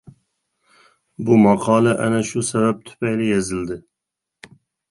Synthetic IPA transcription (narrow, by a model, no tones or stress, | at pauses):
bumɑqʰɑːlɛʔænɛʃusɛbɛp̚t̪ʰy̥pʰɛjlijɛzɪld̪ɪ